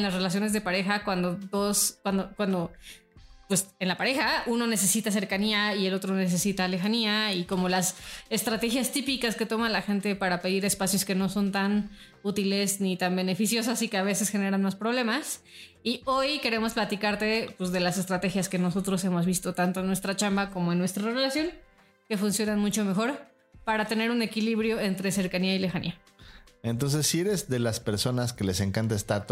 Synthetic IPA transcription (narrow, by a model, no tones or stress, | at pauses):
enlasre̞las̬jo̞ne̞zðe̞paɾe̞xakwand̪o̞d̪o̞skwand̪okwand̪o̞ | pwe̞senlapaɾe̞xauno̞ne̞s̬e̞sit̪as̬e̞ɾkaniaie̞lo̞t̪ɾo̞ne̞s̬e̞sit̪ale̞xaniaiko̞mo̞lase̞st̪ɾat̪e̞xjast̪ipikaske̞t̪o̞malaxe̞nt̪e̞paɾape̞ðiɾe̞spasjo̞ske̞no̞so̞nt̪an | ut̪ile̞snit̪ambe̞nefisjo̞sasike̞aβ̞e̞se̞sxe̞ne̞ɾanmaspɾo̞β̞le̞mas | io̞jke̞ɾe̞mo̞splat̪ikaɾt̪e̞pwezðe̞lase̞st̪ɾat̪e̞xjaske̞no̞so̞t̪ɾo̞se̞mo̞zβist̪o̞t̪ant̪oenːwe̞st̪ɾat͡ʃambako̞mo̞enːwe̞st̪ɾare̞lasjo̞ŋ | ke̞funsjo̞nanmut͡ʃo̞me̞xo̞ɾ | paɾat̪e̞ne̞ɾune̞kiliβɾjo̞e̞nt̪ɾe̞se̞ɾkaniaile̞xanḭa | e̞nt̪̬o̞ns̬e̞sːieɾe̞zðe̞laspe̞ɾso̞naske̞le̞se̞ŋkant̪aest̪at̪o